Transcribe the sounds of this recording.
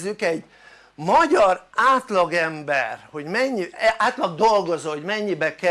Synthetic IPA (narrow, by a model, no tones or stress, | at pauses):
zykɛɟ | mɒɟɒraːt̪lɒɡɛmbɛ̰rho̞ɟmɛɲːiaːt̪lɒɡ̚d̪o̞lɡozoɦoɟmɛɲːibɛkɛ